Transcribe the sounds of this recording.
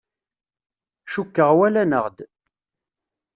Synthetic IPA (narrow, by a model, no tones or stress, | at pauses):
ʃukːəʁwælænəʁd̪